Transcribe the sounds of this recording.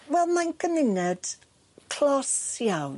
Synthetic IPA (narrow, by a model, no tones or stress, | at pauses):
wɛlˠmajnkʰəmɪnɛd̥ | kʰl̥ɔsjawn